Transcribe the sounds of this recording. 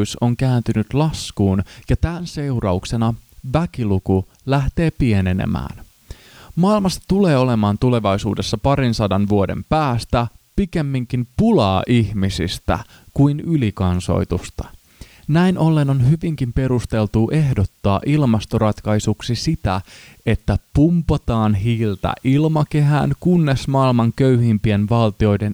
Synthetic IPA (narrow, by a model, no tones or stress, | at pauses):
yso̞ŋkæːnt̪ynyt̪lɑskuːnjɑt̪ænse̞urɑuksenɑʋæk̟iluku | læht̪e̞ːpie̞ne̞nḛmæ̰ːn | mɑːilmɑst̪ɑ̥t̪ule̞ːo̞le̞mɑːnt̪ule̞ʋɑjsuːde̞sːɑpɑɾinsɑdɑnʋuo̞de̞̰mpæːst̪æpike̞mːiŋk̟impulɑːʔiçmisḭst̪æ̰ | kuinylikɑnso̞̰jt̪ust̪ɑ̥ | næinʔo̞lːe̞no̞nɦyʋiŋk̟impe̞ɾust̪e̞lt̪uːʔe̞ɦdo̞t̪ːɑːʔilmɑst̪oɾɑt̪kɑjsuksisit̪æe̞t̪ːæpumpot̪ɑːnɦiːlt̪æ̰ʔilmɑke̞ɦæ̰ːnkunːe̞smɑːilmɑŋkø̞yhimpie̞nʋɑlt̪io̞jde̞n